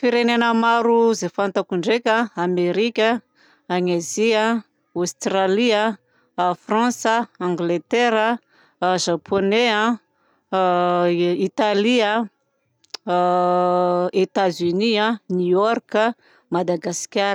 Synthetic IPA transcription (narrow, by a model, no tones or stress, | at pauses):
fiɾenenəmaɾuzefant̪akuɳɖ͡ʐekʲãameɾikʲə | aŋezia | ost̪raliə | frãsəãŋɡlet̪eɾə | ʒapʰoneã | it̪alia | et̪azyniãnuɔrkə | mad̪aɡasi̥kʲaɾ